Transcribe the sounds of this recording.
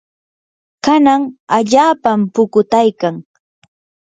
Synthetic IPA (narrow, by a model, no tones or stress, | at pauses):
kanaŋaʎaːpampʊkʊt̪ajkaŋ